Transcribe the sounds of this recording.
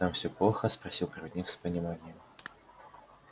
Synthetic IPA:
amsʲɔplˠɔxɐspɾasʲiwpɾɐvʲɛd̪ʲnʲikspɐnʲimanʲɪjɛm

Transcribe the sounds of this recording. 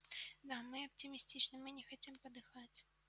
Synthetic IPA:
d̪amɨɐp̚t̪ʲimʲisʲt̪ʲit͡ʂnɐmɨnʲɛxat͡sʲɛmpɐd̪ɨxat͡sʲ

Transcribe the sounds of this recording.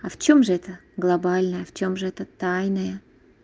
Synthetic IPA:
aft͡ɕomʐɨɛt̪əɡlˠɐbalʲnəjəft͡ɕo̞mʐɨɛt̪ət̪ajnəjə

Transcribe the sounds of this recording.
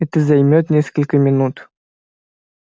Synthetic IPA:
ɛt̪əzɐjmʲot̪nʲeskəlʲkəmʲɪnut̪

